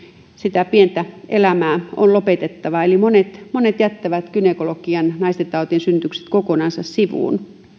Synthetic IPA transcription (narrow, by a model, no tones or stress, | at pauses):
sit̪æpient̪æʔelæmæːo̰nlopet̪et̪ːɑʋɑelimonet̪monet̪jæt̪ːæʋæt̪kynekolokiɑnnɑist̪et̪t̪ɑˑut̪iensynt̪ykse̥t̪kokonɑnsɑssiʋṵˑːn